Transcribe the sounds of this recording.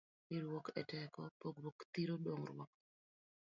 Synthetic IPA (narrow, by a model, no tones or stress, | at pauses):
nɪɾwɔkɛtɛkɔpoɡwokt̪iɾodoŋrwɔ̰k̚